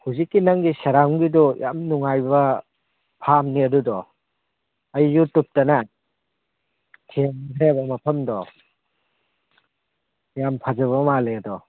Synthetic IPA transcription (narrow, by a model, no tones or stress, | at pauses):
huzikːinaŋɡisɐɾaŋɡidɔja̰mnuŋajbɐ | pʰamniɐdudɔ | ɐjːutup̚tɐna | tʰimkʰɾebɐmɐpʰɐmdɔ | jampʰad͡ʒɐβɐmaleɐdɔ